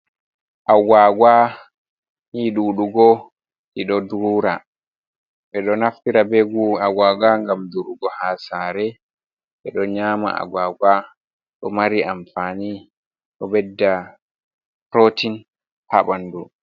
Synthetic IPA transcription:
ʔawaɡwa | hiːɗuɗuɡɔ | ɗiɗɔduɾuɾa | ɓɛɗɔnaftiɾabeɡuaɡaːɡaŋɡamduɗuɡɔhasaːɾɛ | ɓɛɗɔɲaːma̰a̰ɡaɡwa | ɗɔmaɾiʔamfani | ɗɔbɛdːa | ɾotin | haɓandu

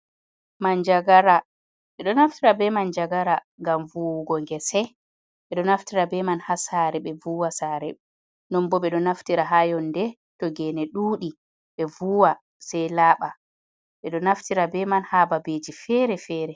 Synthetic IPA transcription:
mand͡ʒaɡaɾa | ɓɛɗɔnaftiɾabɛmand͡ʒaɡaɾa | ŋɡamvuwɡɔŋɡɛsɛ | ɓɛɗɔnaftiɾabɛmanhasaɾɛɓɛvuwasaːɾɛ | nɔmbɔɓɛɗɔnaftiɾaɦajɔndɛ | tɔɡɛnɛɗuːɗi | ɓɛvuwa | sɛjlaːɓa | ɓɛɗɔnaftiɾabɛmanhaːbabed͡ʒifɛɾɛfɛːɾɛ

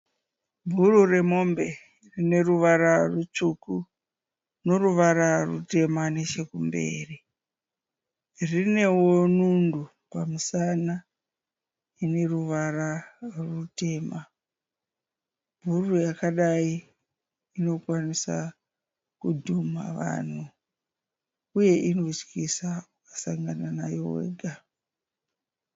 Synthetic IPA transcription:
bʱurure̞mo̞mbe̞ | rine̞ruʋaɾarut͡ʃuku | no̞ruʋaɾarṵte̞mane̞t͡ʃe̞kumbḛːri | rine̞wonundu | pamusana | ine̞ruʋararute̞ma | bʱurujakaɗai | ino̞kwanisa̰ | kudʱuma̰ʋa̰n̤u | uje̞ʔino̞t͡ʃkisaukḁsaŋɡananajo̞we̞̰ːɡʱa

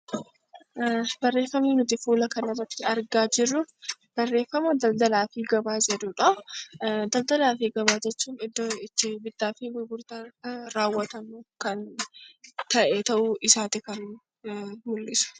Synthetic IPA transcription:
bɐrːe̞ːfːɐmiːnʊt̪ɪfuːlɐkɐnɐrɐt̪ːɪɐɾɡaːd͡ʒɪrːʊ | b̥ɐrːe̞ːfɐmɐd̪ɐld̪ɐlaːfɪɡɐbaːd͡ʒɛᶑ̪ʊᶑɐ | d̪ɐld̪ɐlaːfɪɡɐbaːd͡ʒɛt͡ʃːuːnɪd̪ːɪt̪ːɪbɪt̪ːaːfɪwʊɡʊɾt̪ɐɾaːwːɐt̪ɐmʊkɐn | t̪ɐʔɛt̪ɐʔʊɪsaːt̪ɪkɐn | mʊlːɪsʊ̥

